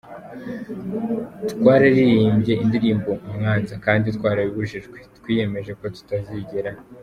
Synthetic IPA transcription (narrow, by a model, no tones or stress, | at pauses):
ttwaːɾaɾiɾiːmbɟe̞indiɾiːmbo̞umŋaːnzakaːnditkwaːɾaβiβuɾiʃiʒɡwe̞twiːje̞me̞ʒe̞ko̞tu̥taziɟeɾa